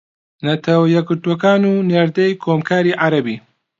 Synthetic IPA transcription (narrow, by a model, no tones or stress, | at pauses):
nɐt̪ʰɐwjɛɡɨɾtuokaːnuːneɾd̪ɐjkʰoːmkʰaːɾiːʔaɾɐbi